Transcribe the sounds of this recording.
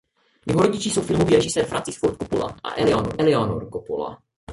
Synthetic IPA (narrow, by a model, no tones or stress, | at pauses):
jɛɦoɾoɟɪt͡ʃiːsowfɪlmoviːɾɛʒɪsɛːɾfɾʔant͡si̥sfoɾt̪kopula̰ʔa̰ʔɛlɛonoʔɛlɛono̰ɾkopula̰